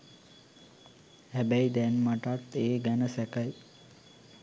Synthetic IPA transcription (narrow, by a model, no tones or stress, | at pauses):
hæbæjd̪ɛnmaʈat̪ːeːɡɛnəsɛkaj